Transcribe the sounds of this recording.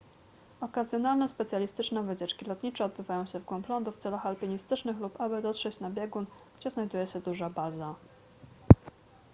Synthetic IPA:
ɔkazʲjɔnalnɛspɛt̪sʲjalʲist̪ɘt͡ʂnɛvɘt͡ɕɛt͡ʂkʲilɔt̪ɲit͡ʂɛɔd̪̚bɘvajɔ̃w̃ɕɛvɡwɔmplɔnd̪uft̪sɛlaxalpʲiɲist̪ɘt͡ʂnɘxlupabɘd̪ɔt̪ʂɛt͡ɕnabʲjɛɡun | ɡ̥d͡ʑɛznajd̪ujɛɕɛd̪uʐabaza

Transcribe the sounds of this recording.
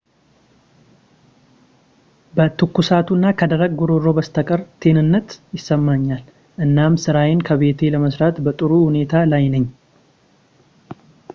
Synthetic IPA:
bət̪ʰɨkːusat̪ʰunːakʰəd̪əɾəɡ̚ɡuɾo̞ɾo̞bəst̪ʰəkʼəɾt̪ʰe̞nɨnːət̪jɪsːəmːaɲːal | ʔɨnːamsɨɾawenkʰəβe̞t̪ʰe̞ləməsɾat̪bət̪ʼɨɾuhune̞t̪ʰalajnəɲː

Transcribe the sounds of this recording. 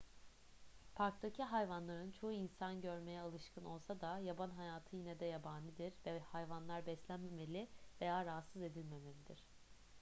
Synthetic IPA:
pʰaɾkt̪ʰacʰiɦajvanlˠaɾɯnt͡ʃʰo̞uinsanɟø̞ɾme̞jɛalˠɯʃkʰɯno̞lˠsad̪ajabanɦajaːt̪ʰɯjinɛd̪ɛjabanˠid̪iɾvɛhajvanlˠaɾbɛslʲænme̞me̞lʲɪve̞jaːɾaɦat̪sɯze̞d̪ilʲme̞melʲid̪iɾ̝̥

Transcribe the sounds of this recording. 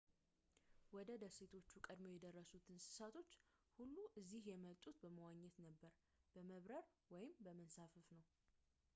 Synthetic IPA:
wɔd̪əd̪əset̪ʰo̞t͡ʃːukʼəd̪mo̞jɛd̪ərːəsut̪ʰɨnsɨ̥sat̪ʰo̞t͡ʃːhulːuʔɨzːihjɛməlt̪ʼut̪bəməwaɲːɛt̪nəbːəɾ | b̥əməβɾəɾwɔjɪmbəmənsafɨfnəw

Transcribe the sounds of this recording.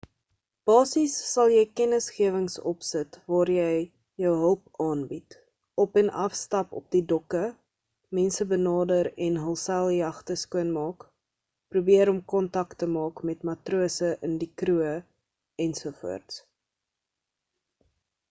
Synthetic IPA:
b̥ɑːsisːɐlˠjɛjkɛnəsχiəvəŋsɔpsətvɑːrjɛj | jœwɦəlˠpɑːnbit | ɔpɛnɐfstɐpɔ̰p̚didɔkə | mɛnsəbənɑːdəɾɛnɦəlˠsælˠjɐχtəskuənmɑːk | prubiəɾɔmkɔntɐktəmɑːkmɛtmɐtruəsəʔəndikruə | ɛnsufṵərts

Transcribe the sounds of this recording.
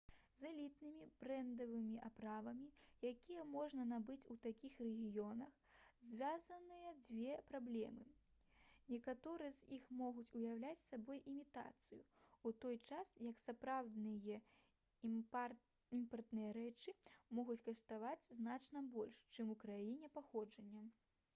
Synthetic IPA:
zɐlʲit̪nɨmʲibɾɛnd̪ɐvɨmʲiʔapɾavɐmʲijakʲijɐmɔʐnɐnabɨt͡sʲut̪akʲixrɛɣʲijɔnɐx | zʲvʲazɐnɨjɐd͡zʲvʲɛpɾablʲɛ̰mɨ | nʲɛkat̪ɔɾɨjɛzʲixmɔɣut͡sʲujawlʲat͡sʲsabɔjimʲit̪a̰t̪sɨjṵut̪ɔjt͡ʂasjɐksapɾawd̪nɨjɐ | impɐrt̪nɨjɐɾɛt͡ʂɨmɔɣut͡sʲkɐʂt̪avad͡zʲznat͡ʂnɐbɔlʲʂt͡ʂɨmukɾajinʲɛpaxɔd͡ʐɐnʲːɐ

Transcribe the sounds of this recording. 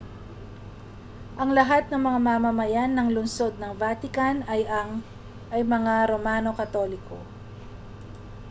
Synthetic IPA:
ʔɐŋlɐɦat̪̚nɐŋmɐŋamamɐmɐjanːɐŋlʊnso̞d̪̚nɐŋvaːt̪ɪkanɐjɐ | ʔɐjmɐŋaɾomaːno̞kɐt̪o̞lɪkʰo̞̰

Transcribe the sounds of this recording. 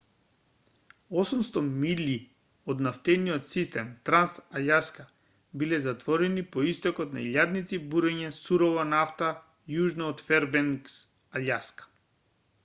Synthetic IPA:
ɔsumst̪ɔmili | ɔd̪naft̪ɛniɔt̪sist̪ɛmt̪ɾansaʎaska | bilɛzat̪vɔɾɛnipɔist̪ɔkɔt̪na̰iʎad̪nit̪sibuɾɛɲɛsuɾɔvɔnaft̪a | juʒnɔːt̪fɛɾbɛŋks | aʎaskḁ

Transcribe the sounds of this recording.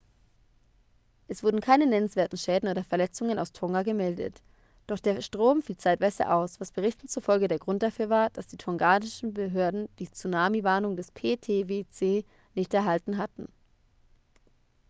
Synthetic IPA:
ʔɛsv̥ʊɐdn̩kʰaɪnənɛnənsv̥eːɐtn̩ʃɛːdn̩ʔoːdɐfɛɐlɛt͡sʊŋənʔaʊstʰɔŋɡaɡəmɛldə̰t | d̥ɔχd̥eːɐʃtʁ̥oːmfiːlt͡saɪtv̥aɪzə̰ʔaʊsv̥asb̥əʁɪçtn̩t͡suɐfɔlɡədeːɐɡʁʊnt̚d̥afyːɐvaːɐd̥asd̥iːtʰɔŋɡaːdɪʃn̩bəɦøːɐdn̩d̥iːt͡sunaːmivaːɐnʊŋdɛspʰeːtʰeːvet͡seː | nɪçtɛɐɦaltn̩ɦatn̩

